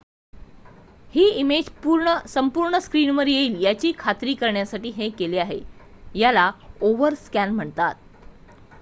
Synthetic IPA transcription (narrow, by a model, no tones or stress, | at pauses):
hiːimed͡ʑpuɾɳəsəmpuːɾɳəskɾiːnʋəɾjeiːljat͡ɕiːkʰat̪ɾiːkəɾɳjasaʈiːɦekeleaɦḛ | jalaoʋəɾskænm̤əɳt̪at̪̚